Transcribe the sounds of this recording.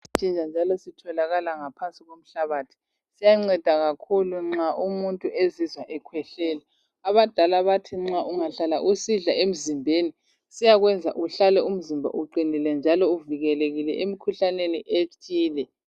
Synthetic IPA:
t͡ʃʼind͡ʒʱand͡ʒʱalɔsitʰɔlaɣalaŋapʰansʼiɣom̩ɬaβatʰi̥ | sijaŋ͡ǀɛd̥ʱaɣakʰuluŋ͡ǁaʔumuntʼuʔezizwaʔɛkʰwɛɬɛːlɛ | aβad̥ʱalaβatʰiŋ͡ǁaʔuŋaɬala̰ʔusiɮaem̩zimbʱeni | sijaɣwɛnd͡zʱa̰ʔuɬalɛum̩zimbʱa̰ʔuǃinilɛnd͡ʒʱalɔuviɣɛleɣilɛʔemikʰuɬaneniʔet͡ʃʼiːlɛ

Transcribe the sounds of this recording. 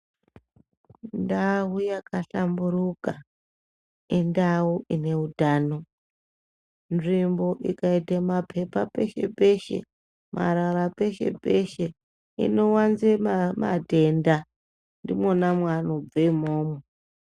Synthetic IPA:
ndawujakaɬamburuka | indauʔine̞udʱaːno̞ | nʐimbo̞ʔḭkaitamapʰe̞pape̞ʃe̞̰pe̞ʃe̞̰ | ma̰ɾarape̞ʃe̞̰peʃe̞ | ḭno̞wanzema̰dʱe̞nda | ndimonamwanob͡veimoːme

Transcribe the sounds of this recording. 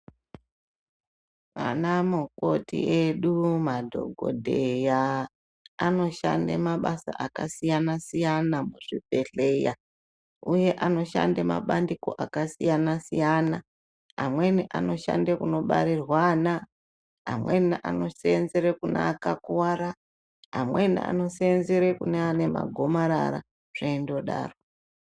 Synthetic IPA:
ʋa̰namuko̞tḭʔeɗumadʱo̞̰ɡʱo̞̰dʱejaː | no̞ʃa̰ndḛmaɓasa̰ʔakasijanasijanamuʐibʱe̞ɬe̞ja | uje̞ʔano̞ʃa̰ndema̰ɓandiko̞ʔakasijanasijana | a̰mweniʔano̞ʃa̰ndekuno̞ɓa̰ɾirwana | a̰mwe̞niʔa̰no̞seenzeɾekuna̰akakuwaɾa | amwe̞nḭa̰no̞senzeɾekuneane̞ma̰ɡʱomaɾa̰ɾa̰ | ʐ̥eindo̞ɗa̰ːro

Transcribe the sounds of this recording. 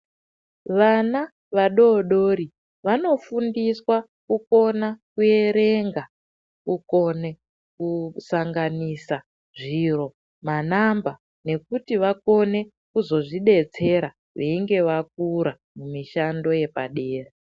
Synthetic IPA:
ʋana | ʋaɗo̞ɗoɾi | ʋano̞fundiswa | kuko̞nakue̞ɾe̞ŋɡa | kuko̞ne | kusaŋɡanisa | ʐiro̞ | manamba | ne̞kutiʋako̞ne̞ | kuzo̞ʐiɗe̞t͡se̞ɾa | ʋeiŋɡe̞ʋak̚uɾa | mumiʃando̞je̞pa̰ɗeːre

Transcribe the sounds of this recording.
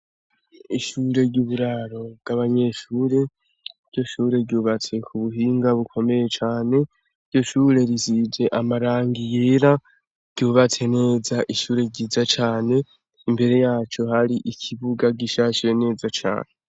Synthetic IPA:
iʃuːɾe̞ɾɟuːβuɾaɾo̞b̚ɡaβaɲe̞ʃuːɾe̞ | ɾɟo̞ʃuːɾe̞ɾɟuːβat͡se̞kʰuβuɦiːŋɡaβukʰo̞me̞jet͡ʃaːne̞ | ɾɟo̞ʃuːɾe̞ɾizid͡ʒe̞ʔamaɾaːŋɡijeːɾa | ɾɟ̥uːβat͡se̞ne̞ːzaʔiʃuːɾe̞ɟiːzat͡ʃaːne̞ | imbe̞ɾe̞jaːt͡ʃo̞ɦaɾiʔicʰiβuɡaɡiʃat͡ʃiɾe̞ne̞ːzat͡ʃa̰ːne̞

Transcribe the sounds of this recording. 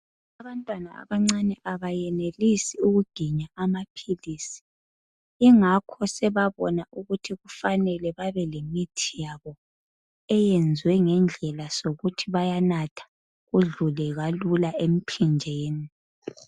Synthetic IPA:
aβantʼwanaa̰βaŋ͡ǀanɛʔaβajɛnelisiuɣuɡ̥ʱiɲaamapʰilisi̥ | iŋakʰɔsɛβaβɔnaʔuɣutʰiɣufanɛlɛβaβɛlemitʰijaβɔ | ɛjɛnd͡zʱwɛŋɛnd͡ɮʱɛlasoɣutʰiβajanatʰḁ | ɣuɮulɛɣalulaʔem̩pʰind͡ʒʱeːni

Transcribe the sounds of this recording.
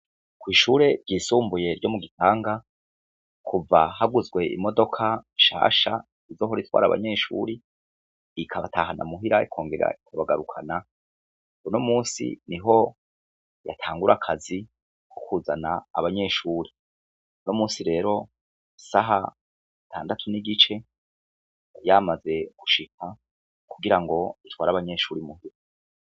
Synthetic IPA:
kwiːʃuːɾe̞ɾɟiːsuːmbuje̞ɾɟo̞muɡitaːŋɡa | kʰuvahaɡuzɡwe̞ʔḭmo̞do̞kʰaʃa̰ːʃa | izo̞ːɦoɾitwa̰ːɾa̰βa̰ɲe̞ːʃṵɾi | ikʰaβatʰaːɦana̰muɦiɾaikʰo̞ːŋɡe̞ɾa̰ikʰaβaɡaɾukʰana | unomuːnsḭniɦo̞ | jatʰaːŋɡuɾakʰazi | kʰokʰuːzana̰ːβaɲe̞ːʃuːɾi | nomuːnsiɾe̞ːɾo̞ | saɦa̰ | tʰa̰ːndatʰuniɡit͡ʃe̞ | jamaze̞ɡ̥uʃikʰa | kuɡiɾaŋɡo̞itwaːɾaβaɲe̞ːʃuːɾimuhiɾa

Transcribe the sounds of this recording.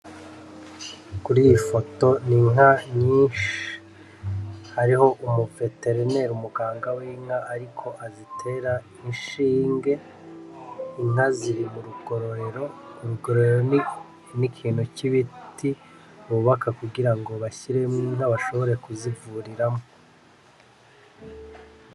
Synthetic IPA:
kuɾijifo̞to̞niŋaɲiːʃi̥ | haɾiho̞ʔumuve̞te̞ɾine̞ɾumuɡaːŋɡawiːŋ̥aʔaɾikʰo̞ʔazitʰe̞ɾa | inʃiːŋɡe̞ | iŋ̥aziɾimuɾuɡo̞ɾo̞ɾe̞ɾo̞ɾuɡoɾoeɾon | nikʰiːn̤̥uciβitʰi | uuβakakuɡiɾaŋɡoβaçiɾe̞mŋiŋ̥aβaʃo̞βo̞ɾe̞kuzivuɾiɾamo

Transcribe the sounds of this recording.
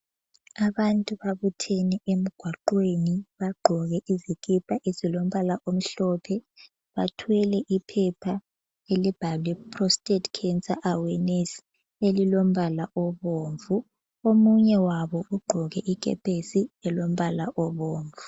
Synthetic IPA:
aβantʼuβaβutʰɛnɛem̩ɡ̥ʱwaǃweniβaɡ͡ǃʱɔɣɛʔizikʼɛpʰʼaʔezilom̩βalaʔom̩ɬɔpʰɛ | βa̰tʰwɛlɛʔipʰɛpʰa | elib̥ʱaβlipʰʼrɔstʼɛtkʰɛnsaʔawɛnes | elilom̩βalaʔɔβoːɱvu | omuɲɛwaβɔuɡ͡ǃʱɔɣɛʔik̬ʼɛ̰pʰesiɛlom̩βalaʔɔβoːɱvu

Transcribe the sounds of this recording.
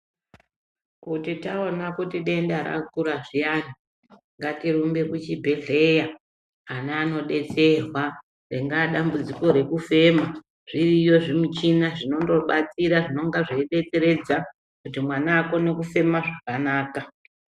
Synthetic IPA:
kutitao̞nakutiɗe̞ndaɾa̰kuɾaʐijani | ŋɡatirumbe̞kut͡ʃibʱe̞ɮe̞jaː | naːno̞ɗe̞t͡se̞rwa | reŋɡaɗambud͡ziko̞ɾe̞kufe̞ma | ʐ̥irijo̞ʐimut͡ʃinaʐino̞ndo̞ɓat͡siɾaʐino̞ŋɡaʐeiɗe̞t͡se̞ɾe̞d͡za | kutimwanaːko̞ne̞kufe̞maʐakanaːka

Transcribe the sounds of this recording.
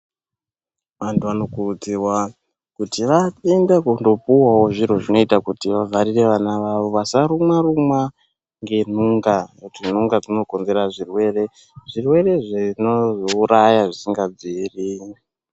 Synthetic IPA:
ʋantʰuano̞kurud͡zirwa | kutiʋaendakundo̞puwawo̞ʐiɾo̞ʐino̞itakutiʋavaɾire̞ʋanaʋaʋo̞ʋasaɾumwarumwa | ŋɡe̞n̤uŋɡautin̤uŋɡakuno̞ko̞nze̞raʐirwe̞re̞ | ʐirwe̞re̞ʐinozouɾajaʐisiŋɡad͡ziri

